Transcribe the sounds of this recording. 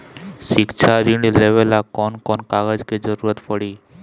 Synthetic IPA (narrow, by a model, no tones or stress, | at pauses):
ʃikt͡ɕʰaɾiɖilebelakɔnkɔnkaɡad͡ʑked͡ʑɔɾuɾat̪pɔɽi